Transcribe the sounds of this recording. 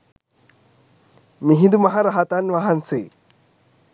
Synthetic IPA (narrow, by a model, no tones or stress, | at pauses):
miɦid̪umɐɦaɾaɦat̪anʋaɦanse